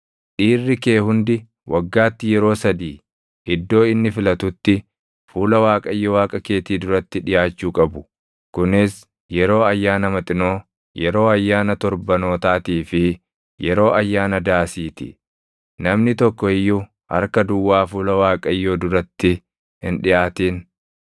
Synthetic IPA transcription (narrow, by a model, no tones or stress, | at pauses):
ᶑiːrːɪke̞ːhʊnd̪ɪ | wʔɐɡːaːt̪ːɪjɛɾo̞ːsɐd̪iː | ɪd̪ːo̞ːɪnːɪfɪlɐt̪ʊt̪ːɪ | fuːlɐwaːkʼɐjːɔwaːkʼɐke̞ːt̪iːd̪ʊɾɐt̪ːɪᶑɪjaːt͡ʃːuːkʼɐbʊ | kʊnɪs | jɛɾo̞ːɐjːaːnɐmɐt̪ʼɪno̞ː | jɛɾo̞ːɐjːaːnɐt̪ɔɾbɐno̞ːt̪aːt̪iːfɪ | jɛɾo̞ːʔɐjːaːnɐd̪aːsiːt̪ɪ̰ | nɐmnɪt̪ɔkːɔɪjːʊ | hɐ̰ɾkɐd̪ʊwːaːfuːlɐwaːkʼɐjːoːd̪ʊɾɐt̪ːɪ | hɪnᶑɪʔaːt̪iːn